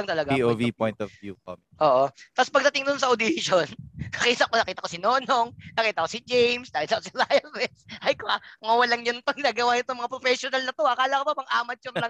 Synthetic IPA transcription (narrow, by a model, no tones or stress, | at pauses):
ɐŋt̪ɐlɐɡaiʔovipɔjnt̪ɔvvjṵko̰mɛʔoːʔot̪aspɐɡd̪ɐt̪ɪŋd̪ʊnsɐʔod̪ɪʃonɐkɐʔiːsɐkonɐkiːt̪ɐkosɪnoːnoŋnɐkiːt̪ɐkosɪd͡ʒɛjmsd̪aːhɪlsɐkosɪɾajɐfɛsʔɐjkoaŋɐwɐlɐŋjʊnpɐɡnɐɡɐwanɪt̪oŋmɐŋapɾofɛsonɐlnɐt̪oʔakaːlakopɐbɐŋʔaːmɐt͡ʃʊnlɐŋ